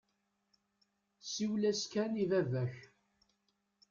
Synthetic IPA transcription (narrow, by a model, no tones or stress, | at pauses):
siwlæskænivævæç